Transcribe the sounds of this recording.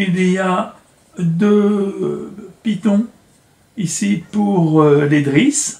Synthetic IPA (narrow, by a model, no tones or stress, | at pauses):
ilija | d̪ø | pit̪ɔ̃ | isipuʁled̪ʁis